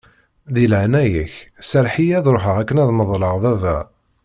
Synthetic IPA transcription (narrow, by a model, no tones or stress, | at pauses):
ðilʕnæjəçsəɾħijæðɾoħəʁækːənæðməðˤləʁðævæ